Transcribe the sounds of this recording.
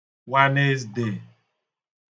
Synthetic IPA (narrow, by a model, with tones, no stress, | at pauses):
wa˦ne˦sde˦˨